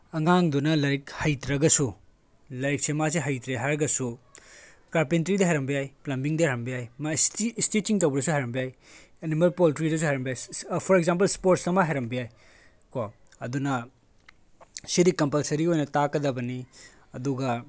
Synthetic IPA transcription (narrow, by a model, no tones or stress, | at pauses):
ɐŋaŋdunɐlɐɾikhɐjtɾɐɡɐsu | lɐɾik̚semas̬eɦɐjtɾeɦajɾɐɡɐsu | kaɾpentɐɾidɐɦɐjɾɐmbijajplɐmbiŋdɐɾɐmbijajmastistitiŋtɐwbɐɾɐs̬uhajɾɐmbijajenimɐlpoltɾidɐs̬uhajɾɐmbijajpʰoɾekzamp̬ɐlspoɾtsɐmaɦɐjɾɐmbijaj | ko | ɐdunɐ | siɾikɐmpalsɐɾiojnɐtakːɐdɐbɐni | ɐduɡɐ